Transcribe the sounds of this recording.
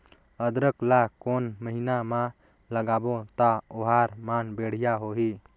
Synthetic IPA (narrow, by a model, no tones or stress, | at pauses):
əd̪ɾəklakonməɦinamã | ləɡabot̪aoɦaɾmanbeɽ̤ijaɦoɦi